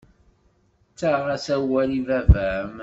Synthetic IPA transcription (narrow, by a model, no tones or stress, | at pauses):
t͡sːaʁæsæwælivævæəm